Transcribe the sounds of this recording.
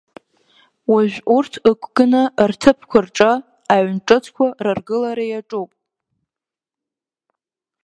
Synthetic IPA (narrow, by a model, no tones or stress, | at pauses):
waʒᶣʷurtʰɨkʷʰʼɡɨnɨrtʰɨpʰkʷʰarʈ͡ʂʼɨ | aɥnʈ͡ʂʼɨt͡sʰkʷʰararɡɨlaɾajaʈ͡ʂʼupʼ